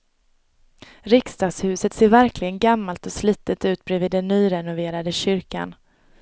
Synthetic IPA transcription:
ɾɪkst̪ɑːɡshʉ̟ːsət̪seːɾvæɾklɪɡənɡamːalt̪ɔsliːt̪ːət̪ʉ̟ːt̪̚bɾɛːvɪːd̪ɛnːyːɾɛnʊveːɾad̪əɕʏɾka̰n

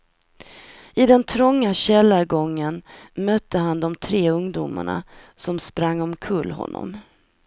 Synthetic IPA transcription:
ɪd̪ɛnt̪ʰɾɔŋːaɕɛlːaɾɡɔŋːənmœt̪ːəɦand̪ɔmt̪ʰɾeːɵŋd̪uːma̰ɳa̰ | sɔmspɾaŋːɔmkʰɵlːhɔ̰nːɔ̰m

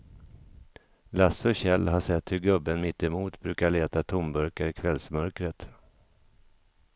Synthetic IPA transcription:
lasɔɕɛlːɦaʂɛt̪ːhɵɾɡɵbːənmɪt̪ːɪmuːt̪bɾʉ̟ːkaɭeːt̪at̪ʰʊmbœɾkaɾɪkʰvɛlsmœɾkɾət̪

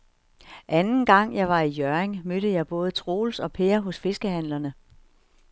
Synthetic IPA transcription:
ʔænn̩ɡ̥ɑ̈ŋ̰jɑ̈ɪʋɑ̈ijøɐeŋmøɾ̥əjɑ̈ɪb̥ɔ̽ːð̞̩ˠət͡sʰʁo̝̰ːlsɒ̽pʰe̝ɐɦɔ̽sfe̝sɡ̥əhæn̰lɐnə

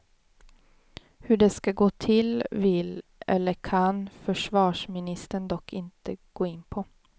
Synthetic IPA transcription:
hʉɖɛːskɑɡoːt̪ʰɪlvɪlʔɛ̰lːəkʰɑnfœʂvɑːʂmɪnɪst̪əɳd̪ɔkʰːɪnt̪əɡ̥oːɪnːpʰɔ

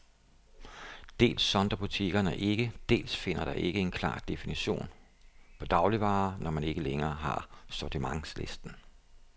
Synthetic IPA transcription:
d̥e̝̰ːlsːɒ̽nd̥ɐb̥ut͡sʰiɡ̥ɐnəʔe̝ɡ̥əd̥e̝̰ːlsfe̝n̰ɐɾ̥ɑ̈ʔe̝ɡ̥əe̝nkʰlɑ̰̈ːd̥e̝finiɕo̝̰ːn | pʰɒ̽d̥ɑ̈ʊliʋɑ̈ːnɒmæne̝ɡ̥əleŋɐːɦɑ̈sɒt͡simɑ̈ŋsle̝sd̥n̩

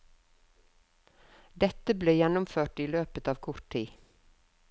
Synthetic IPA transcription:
d̪ɛt̪əbleːjɛnʊmføːʈiːløːpət̪ɑːʋkʰʊɾʈʰiː

